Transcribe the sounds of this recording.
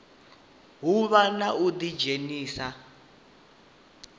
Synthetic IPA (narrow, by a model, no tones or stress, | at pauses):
ɦuβanaud̪id͡ʒeniːsa